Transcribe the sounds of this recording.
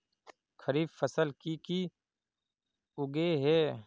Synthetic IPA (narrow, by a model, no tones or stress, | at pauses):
kʰəɾiːbfəsəlkiki | ʊɡeɦɛː